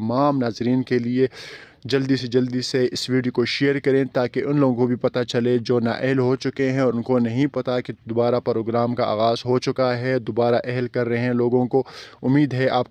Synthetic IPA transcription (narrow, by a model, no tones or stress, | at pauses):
maːmnaːzɾiːnkelie | d͡ʒɐld̪ised͡ʒɐld̪iseɪsʋiːɖiokoʃeːəɾkɐɾẽːt̪aːkeʔʊnloːɡõkobʱipɐt̪at͡ʃɐled͡ʒoːna̰ːʔɛɦlɦot͡ʃʊkeɦɛ̃ɔːɾʊnkonɐɦĩpɐt̪aked̪ʊbaːɾapɾoːɡɾaːmkaa̰ːɣaːzɦot͡ʃʊkaɦɛd̪obaːɾaʔɛɦɛlkɐɾːɐɦeɛ̃loːɡõkoʊmːiːd̪ɦɛʔaːp̚